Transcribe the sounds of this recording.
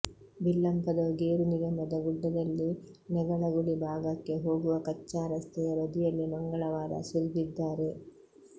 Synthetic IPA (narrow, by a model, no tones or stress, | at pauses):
bilːɐmpɐd̪ɐɡeːɾuniɡɐmɐd̪ɐɡuɖːɐd̪ɐlːi | nɐɡɐɭɐɡuɽibʱaːɡɐkːeɦo̞ːɡuʋɐkɐt͡ʃːaːɾɐst̪ʰɐjɐɾɐd̪ijɐlːimɐŋɡɐɭɐʋaːɾɐ̰suɾɡid̪ːaːɾe̞